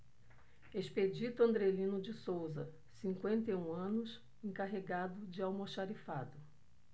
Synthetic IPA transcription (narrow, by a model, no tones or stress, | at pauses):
esped͡ʒit̪ʊɐ̃nd̪ɾelĩnʊd͡ʒɪsowzɐ | sĩŋkwẽnt̪ejũɐ̃nʊs | ẽŋkaɦeɡad̪ʊd͡ʒɪawmoʃaɾifad̪ʊ